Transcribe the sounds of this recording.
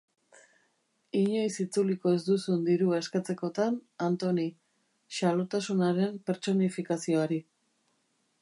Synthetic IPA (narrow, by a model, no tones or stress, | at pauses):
iɲo̞jsit͡suliko̞e̞zd̪usund̪iɾuae̞skat͡se̞ko̞t̪anant̪o̞ni | ʃalo̞t̪asunaɾe̞mpe̞ɾt͡so̞nifikasio̞aɾi